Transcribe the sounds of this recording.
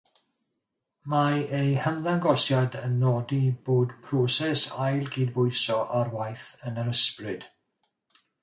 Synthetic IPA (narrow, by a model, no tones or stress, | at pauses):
maejhənðaŋɡɔsjadənːɔdiboːdpʰroːsɛsajlˠɡiːdbʊɨsɔʔarwajθənəɾəsprɨd̥